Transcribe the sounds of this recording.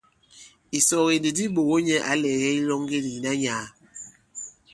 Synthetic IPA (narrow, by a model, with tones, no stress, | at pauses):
i˨sɔ˨ɣe˨ndi˨di˦ɓo˨ɣo˦ɲɛ˦ʔa˨lɛː˨ɣɛ˦i˦lɔ˦ŋ˦ɡe˦di˨na˦ɲaː˨˦